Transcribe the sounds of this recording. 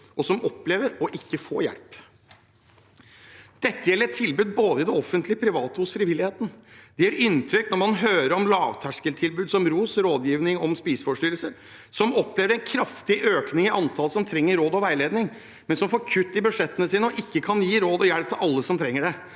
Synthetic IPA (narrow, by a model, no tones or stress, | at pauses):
ɔsɔmɔpːleːʋəɾɔʔɪkːəfo̰ːjæ̰lp | d̪̥ɛt̪ːəjɛlːəɾɛt̪ʰːɪlbʉːd̪̚boːd̪əɪd̪ɛɔfːənt̪lɪəpʰɾɪʋɑːt̪əhʊsfɾɪʋɪlːɪheːt̪n̩d̪ɛjæɾʔʏnt̪ʰɾʏknɔɾmɑnɦøːɾəɾɔmlɑːʋt̪ʰæʂkəlt̪ʰɪlbʉːd̪sɔmɾuːsɾoːd̪jiːʋnɪŋɔmspiːsfɔʂʈʏɾlsəɾ | sɔmɔpleːʋəɾɛnkʰɾɑft̪ɪʔøːknɪŋɪʔɑnt̪ʰɑːlsɔmt̪ʰɾɛŋːəɾoːd̪ɔʋæɪleːd̪nɪŋ | mɛnsɔmfoːɾkʰʉt̪ːɪbʉʂɛt̪ːənəsiːnəɔʔɪkːəkʰɑnjiːɾoːd̪ɔjælp̚t̪ʰɪlʔɑlːəsɔmt̪ʰɾɛŋːəɖɛ